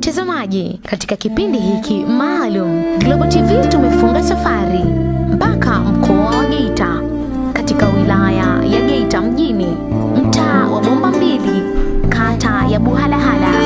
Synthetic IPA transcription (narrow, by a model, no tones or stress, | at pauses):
mtazamaʄikati̥kakipindiɦikʰimaːlum̩ɡlɔɡɔtivitumɛfuŋɡasafaɾimpakam̩kʰɔawaɠɛita | katikawilaja̰jaɠɛitam̩ʄini | m̩taːwaɓɔmbambilikʰatajaɓuɦalaɦala